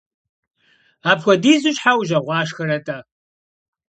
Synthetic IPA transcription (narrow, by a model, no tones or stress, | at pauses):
aːpxʷɔdiːzɨɕħawʒɐʁʷɑːʂxɐɾɐtʼaː